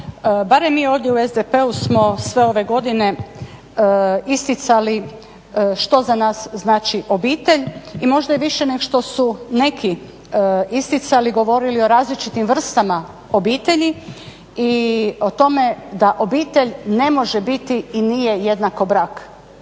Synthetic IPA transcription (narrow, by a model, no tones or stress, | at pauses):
baɾemːiːo̞ːʋd̪jeuezd̪epe̞usmo̞sʋe̞o̞ʋe̞ɡo̞d̪ine̞ | ist̪it̪sali | ʃt̪o̞zanaːsznaːt͡ʃiʔo̞biːt̪e̞ʎimo̞ʒd̪ajeʋiʃeneɡoʃt̪o̞sune̞kʰi | ist̪it̪saliɡo̞ʋo̞ɾilio̞ɾaːzlit͡ʃit̪imʋr̩st̪ama | o̞biːt̪e̞ʎi | io̞t̪o̞me̞d̪aʔo̞biːt̪e̞ʎne̞mo̞ʒe̞bit̪iinije̞jed̪nako̞bɾaːk